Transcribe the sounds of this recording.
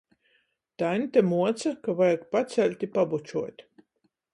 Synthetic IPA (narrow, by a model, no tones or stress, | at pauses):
t̪anʲt̪ʲamuɔt̪sakavajakpat̪sælʲt̪ʲipabut͡ʃuɔt̪ʲ